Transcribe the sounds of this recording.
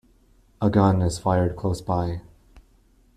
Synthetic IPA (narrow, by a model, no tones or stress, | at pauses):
əɡʌ̃nɨz̥faɪə˞d̚kʰl̥oʊsb̥aɪ